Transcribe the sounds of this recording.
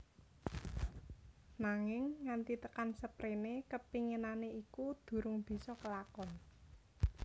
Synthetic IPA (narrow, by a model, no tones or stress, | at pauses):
naŋɪŋːant̪it̪əkansəpɾenekəpiŋənaneikud̪̥ṳɾʊŋb̥i̤sɔkəlakɔn